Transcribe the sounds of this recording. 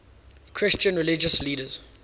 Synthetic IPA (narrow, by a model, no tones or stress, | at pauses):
kʰɹɪst͡ʃə̃nɹɪlɪd͡ʒəsliːɾəz̥